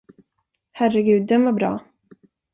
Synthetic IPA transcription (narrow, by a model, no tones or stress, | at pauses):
hæɾəɡʉ̟ːd̪ːɛnvɔɾbɾɑ̰ː